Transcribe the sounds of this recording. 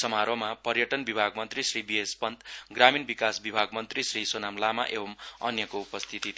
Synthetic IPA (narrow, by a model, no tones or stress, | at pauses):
sʌmaɾwʌmapʌrjʌʈʌnbibʱaɡ̚mʌnt̪risribiespʌnt̪ɡraminbikasbibʱaɡmʌnt̪risrisonamlama̰ʔebʌmʌ̰njʌkoupʌst̪ʰit̪it̪